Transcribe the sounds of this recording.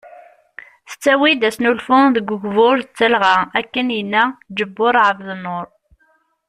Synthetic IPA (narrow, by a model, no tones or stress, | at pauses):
θə̥t͡sːæwid̪æsnulfʊðəɡʷəɡvʊɾət͡sːəlʁaækːənjənːæd͡ʒəbːʊɾˤʕəvðnːʊɾˤ